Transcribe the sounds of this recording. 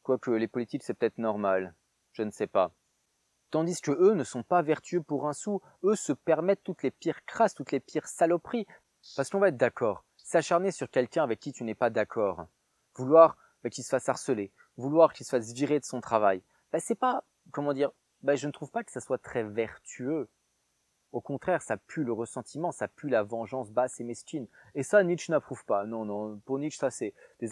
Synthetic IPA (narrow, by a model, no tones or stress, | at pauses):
kwakəlepɔlit̪iksɛpə̥t̪ɛt̪χnɔʁmal | ʒ̥ənəsɛpa | t̪ɑ̃d̪iskəʔønəsɔ̃pavɛʁt̪yøpuʁɛ̃su | øsəpɛʁmɛt̪ːut̪lepiʁkχast̪ut̪lepiʁsalɔpχi | paʁsə̥kɔ̃vaɛt̪̚d̪akɔːʁ | saʃaʁnesyʁkʲɛlkʲɛ̃avɛkʲːit̪ynɛpad̪akʰɔːʁ | vulwaʁ | bɛkʲilsə̥fasaʁsəle | vulwaʁkʲilsə̥fasʒiʁed̪əsɔ̃t̪χavaj | b̥ɛsɛpa | kɔmɑ̃d̪iʁ | baʒənət̪χuvpakə̥saswat̪χɛvɛʁt̪ʰyø | okɔ̃t̪χɛʁsapyləʁəsɑ̃t̪ʰimɑ̃sapylavɑ̃ʒɑ̃sbasemɛskʲinesaniʃnapχuv̥panɔ̃nɔ̃puʁniʃsasɛd̪̥e